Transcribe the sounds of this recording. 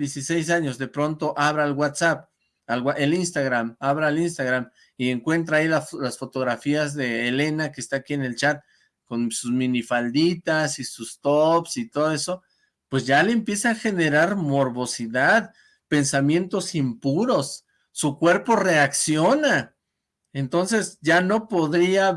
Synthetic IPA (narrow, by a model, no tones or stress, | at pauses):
jesisejs̬aɲo̞zðe̞pɾo̞nt̪o̞ʔaβɾaelwat̪sap | alwaʔelinst̪aɣɾamaβɾaelins̬t̪aɣɾam | ie̞ŋkwe̞nt̪ɾaːilalasfo̞t̪o̞ɣɾafiazðe̞ːle̞nakeːst̪aːkiene̞lt͡ʃat̪̚ | ko̞nsusmĩnifald̪it̪asisust̪opsit̪o̞ðo̞e̞so̞ | pwe̞sʝale̞ːmpje̞saːxe̞ne̞ɾaɾmo̞ɾβo̞siðað | pe̞nsamje̞nt̪o̞simpuɾo̞sː | ukwe̞ɾpo̞re̞aksjo̞na | e̞nt̪o̞nse̞sɟ͡ʝano̞po̞ðɾia